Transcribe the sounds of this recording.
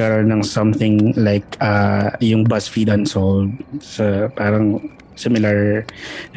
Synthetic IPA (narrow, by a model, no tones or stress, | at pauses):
ɐɾonɐŋsɐmθɪŋlaɪkʔɐjʊŋbɐsfid̪ɐnsod̪̚sɐpaːɾɐŋ | sɪmɪlɐɹ